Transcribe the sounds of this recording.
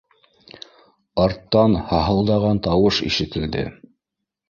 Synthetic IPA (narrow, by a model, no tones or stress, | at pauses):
ɑɾt̪ːɑnhɑɦɤ̆lˠd̪ɑʁɑnt̪ɑwɤʃḭʃɘ̆t̪ɘ̆ld̪ɘ̰